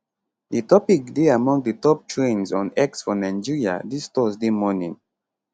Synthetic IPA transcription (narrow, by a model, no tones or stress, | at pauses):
dətɔpik̚deamɔ̃ŋdətɔp̚tʰɹẽnzɔ̃nɛksfɔnãɪ̃nd͡ʒiɹia̰distɔzdemɔnḭ̃ŋ